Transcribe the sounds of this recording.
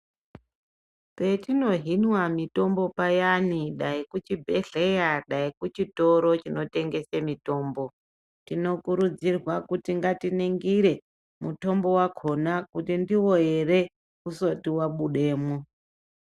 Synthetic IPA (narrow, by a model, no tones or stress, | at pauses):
pe̞tino̞ɦinwamito̞mbo̞pajaniɗaikut͡ʃibʱe̞ɮejaɗaikut͡ʃito̞ɾo̞t͡ʃino̞te̞ŋɡe̞semito̞ːmbo̞ | tino̞kuɾud͡zirwakutiŋɡatineŋɡiɾe̞ | muto̞mbo̞wakʰo̞nakutindiwo̞je̞re | kuso̞tiwaɓuɗe̞ːmo